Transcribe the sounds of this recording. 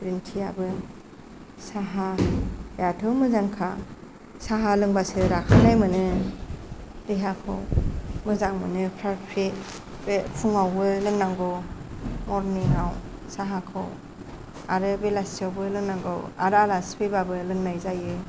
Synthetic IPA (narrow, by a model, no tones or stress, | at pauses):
pɾintʰiabɯ | saɦa | jatʰɯmɯzaŋkʰa | saɦalɯŋbasɯɾakʰanajmɯnɯ | dɯɦakʰɯ̰wmɯzaŋmɯnɯpʰɾaɾpʰɾe | bepʰuŋawbɯlɯŋnaŋɡɯwmɔɾniŋaw | saɦakʰɯ̰w | aɾɯbelasiawbɯlɯŋnaŋɡɯ̰wa̰ɾalasbebabɯlɯŋnajzajɯ